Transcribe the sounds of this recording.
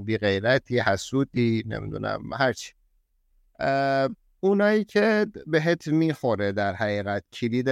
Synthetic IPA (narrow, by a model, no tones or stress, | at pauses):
biːɣe̞jɾæt̪ʰiːhæsuːd̪iːnḛmḭd̪ṵːnæ̰mhæɾt͡ʃʰi̥ | unɒːjiːcʰebeɦet̪ʰmiːxoɾed̪æɾhæɣiːɣæt̪cʰiliːd̪e